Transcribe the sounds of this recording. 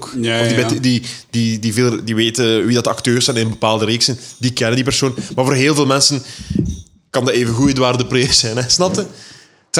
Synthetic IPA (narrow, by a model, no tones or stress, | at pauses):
ɔdibɛdid̥idivɪlədiʋeːtəʋidɑtɑktøːrsɛjnɪnənbəpaːlˠdəɾeːksɛndikɛnəndipərsoːnmarvoːrɦeːlˠveːlˠmɛnsən | kɑndɑeːvəɣujədwaːrdəpresɛjnɛsnɑtə | t